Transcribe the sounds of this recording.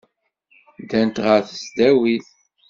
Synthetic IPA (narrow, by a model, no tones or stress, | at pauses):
d̪ænt̪ʁəɾθə̥sd̪æwiθ